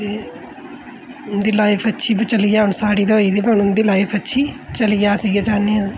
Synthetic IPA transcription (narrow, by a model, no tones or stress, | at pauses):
eː | ʊnd̪iːlaːipʰətːʃʰiːbət͡ʃəlijaːʊɳsaːɽiːd̪oiːd̪iːbənːʊnd̪iːlaːipʰətːʃʰiːt͡ʃəlɪjaːsiːɡaːd͡ʒaːniːã